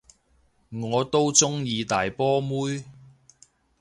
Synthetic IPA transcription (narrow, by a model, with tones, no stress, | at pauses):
ŋɔː˨˧t̪o˥wt͡sʊ˥ŋjiː˨˧t̪aː˨jpɔː˥muː˥j